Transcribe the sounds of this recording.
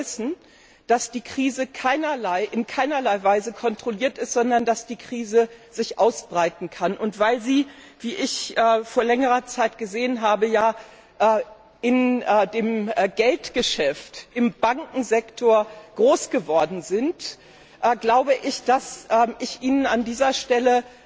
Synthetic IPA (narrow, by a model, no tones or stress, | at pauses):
ɪsn̩ | d̥asd̥iːkʁ̥iːzəkʰaɪnɐlaɪʔɪnkʰaɪnɐlaɪvaɪzəkʰɔntʁ̥oliːɐtɪstz̥ɔndɐndasd̥iːkʁ̥iːzəz̥ɪçʔaʊsb̥ʁaɪtn̩kʰanʔʊntv̥aɪlziː | v̥iːʔɪçʔɛːfoːɐlɛŋəʁɐt͡saɪtɡ̥əzeːənɦaːbəjaː | ʔɛː | ʔɪnɛːdeːmːɡɛltɡ̥əʃɛftʔɪmbaŋkŋ̩zɛktʰoːɐɡ̥ʁoːsɡ̥əvɔɐdn̩zɪnt | ʔɛːɡlaʊbəʔɪçd̥asʔɛːʔɪçʔiːnənandiːzɐʃtɛlə